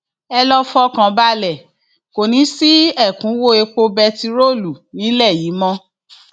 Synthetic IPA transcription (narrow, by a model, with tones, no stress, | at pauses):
ɛ˧lɔ˦fɔ˦kã˧ba˧lɛ˨ | ko˨nĩ˨˦si˦ɛ˦˨kũ˨˦wo˦˨e˧k͡po˧bɛ˧ti˧ɾo˦˨lu˨nĩ˨˦lɛ˦˨ji˨˦mɔ̃˦